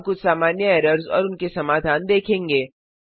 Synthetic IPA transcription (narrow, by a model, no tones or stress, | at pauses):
kʊt͡ʃʰsaːmaːnjəɛːɾəɾzɔ̰ːɾʊnkesɐmaːd̪ʱaːnd̪eːkʰẽːŋɡeː